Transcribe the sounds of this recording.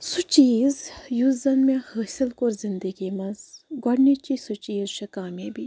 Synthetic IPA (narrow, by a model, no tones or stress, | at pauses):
sut͡ʃiːzjuzɐnmehəːsilkoɾzɪnd̪əɡimɐzɡɐɽnit͡ʃisut͡ʃiːzʃʰikaːmebi